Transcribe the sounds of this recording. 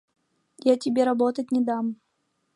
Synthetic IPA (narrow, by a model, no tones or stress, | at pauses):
jatʲɪbʲɛɾabɔt̪ɐtʲnʲɛd̪am